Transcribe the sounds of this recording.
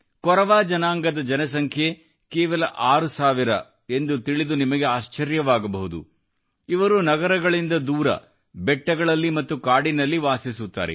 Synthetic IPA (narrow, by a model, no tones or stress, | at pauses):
kɔɾɐʋaːd͡ʒɐnaːŋɡɐd̪ɐd͡ʒɐnɐs̬ɐŋkʰje | keːʋɐlɐʔaːɾusaːʋiɾɐ̰ | e̞nd̪ut̪iɭid̪unimɐɡe̞aːʃt͡ʃɐɾjɐʋaːɡɐbɐɦud̪ṵ | iʋɐɾunɐɡɐɾɐɡɐɭind̪ɐd̪uːɾɐ̰ | bɛʈːɐɡɐɭɐlːimɐt̪ːukaːɽinɐlːiʋaːsisut̪ːa̰ːɾḛ